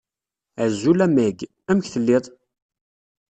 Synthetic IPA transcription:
əzːulæmæɡ | æmçθəlːiðˤ

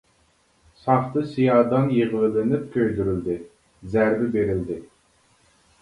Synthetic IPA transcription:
sɑχt̪ɨsijɑːd̪ɑnjeʁəlɪlɪnɪp̚kʲʰøjd̪yɾyld̪ɪ | zæɾbɪbeɾɪld̪ɪ

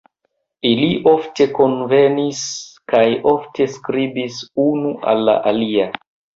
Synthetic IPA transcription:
iliʔo̞fte̞ko̞nve̞niskajo̞ftʰe̞skɾibisunuʔa̰lːa̰ʔalia

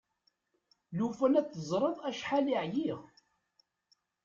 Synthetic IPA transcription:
lufænæt͡sːəzˤɾˤəðˤæʃħaliʕjiʁ

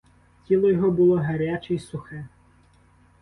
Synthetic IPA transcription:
tʲilˠɔjɔɦɔbʊlˠɔɦɐɾʲat͡ʃɛisʊxɛ

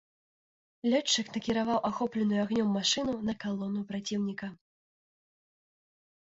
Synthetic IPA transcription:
lʲɔt͡ʂːɨknɐkʲiɾavawʔaxɔplʲɛnujuaɣnʲɔmːaʂɨnunɐkalˠɔnupɾat͡sʲiwnʲikɐ

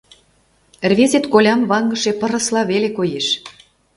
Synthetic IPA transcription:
rβezet̪kolʲɑmβɑŋɡəʃepɤ̆ɾɤ̆slɑβelekojeʃ

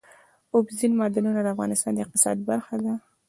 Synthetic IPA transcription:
ʊbzinmɑd̪anunad̪əafɣɑ̰nɪst̪ɑnd̪əɪq̚t̪ɪ̥sɑ̰d̪baɾxad̪a

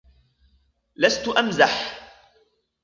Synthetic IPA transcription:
last̪ʊʔamzaħ

